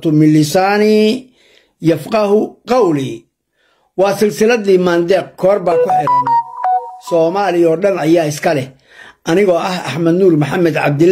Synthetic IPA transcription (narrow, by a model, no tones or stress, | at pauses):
t̪ʰʊmɪlɪsaːni | jɐfqɑhʊqɑwli | wɑːsɪlsɪlɐðiːmaːnd̪ɛːq̚kʰɔːrbaːkʰʊħɪɾɐnɐsɔːmaːlɪɔːɗɐnɐjaːɪskʰɐlɛ | ʔɐnɪɣɔːʔɐhɐ̰ħmɐd̪nuːrmʊħamɛd̪ʕɑ̰b̚d̪ɪ